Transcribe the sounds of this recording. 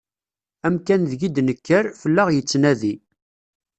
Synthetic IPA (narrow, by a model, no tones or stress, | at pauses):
æmkænðɡid̪nəkːəɾfəlːəʁjət͡sːnæði